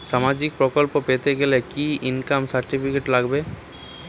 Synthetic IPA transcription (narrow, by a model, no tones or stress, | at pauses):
ʃamad͡ʑik̚pɾɔkolpopet̪eɡelekiinkamsaɾʈipʰikeʈlaɡbe